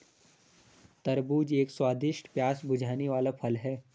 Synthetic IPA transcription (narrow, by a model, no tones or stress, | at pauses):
t̪ɐɾbuːd͡ʒeːkswaːd̪ɪʃʈpjaːsbʊd͡ʒʱaːneʋaːlapʰɐlɦɛː